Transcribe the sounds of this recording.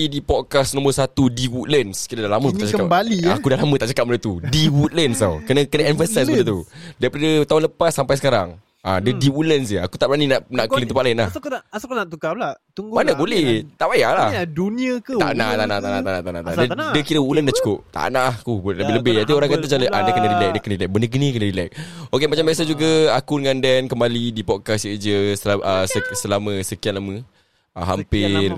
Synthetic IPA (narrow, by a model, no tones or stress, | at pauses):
idipɔd̚kasnɔ̃mərsat̪udiwut̪̚lənskiɾədahlaməkutat͡ʃaəkabaliakudahlamə̃t̪aʔt͡ʃakap̚mədət̪udiwut̪̚lənsa̰wkənəkənəɛnfəsas̬bəd̪ət̪udaɾipadət̪aʊnləpasːampajs̬əkaɾa̰ŋ | a̰dədiwulənsəa̰kut̪aʔbəɾaninaʔnaʔkəlint̪əpaʔlnla̰hskanaʔt̪ukalat̪uŋɡmanəbolɛht̪aʔbajaʔladunĩəkət̪a̰ʔnaht̪aʔnaht̪aʔnaaʔnat̪aʔnãt̪adɛdəkiɾəuləndaʔt͡ʃu̥kʊp̚t̪a̰nakubuləbɪləbɪhat̪ioɾaŋkat̪at͡ʃalətadəkənadilajk̚dəkənədilak̚bəndəɡənĩkənədilajk̚okemat͡ʃambəasad͡ʒuɡəakudəŋãndɛnkəmbalidipɔt̚kasəəd͡ʒəsəʔəsəsəlamə̃səkianlamə | aɦampɪr